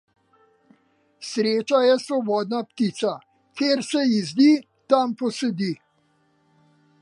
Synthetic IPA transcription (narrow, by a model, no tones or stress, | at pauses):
sɾeːt͡ʃajɛsʋɔbɔːd̪napt̪iːt̪sa | keːɾsɛjizd̪iː | t̪ampɔsɛd̪iː